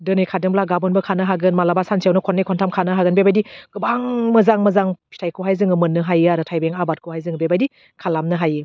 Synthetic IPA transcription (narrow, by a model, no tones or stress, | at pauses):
dɯnijkʰadɯŋmblaɡabɔnbɯkʰanɯɦaɡɯnmalabasansʰiawnɯkʰɔnːɯjkʰɔntʰamkʰanɯɦaɡɯnbebajdiɡ̥ɯbaŋmɐzaŋmɐzaŋpʰi̥tʰajkʰɯɦajzɯŋɯmɯnːɯɦajiaɾɯtʰajbeŋabat̚kʰɯhajzɯŋɯbebajdi | kʰalamnɯɦajɯ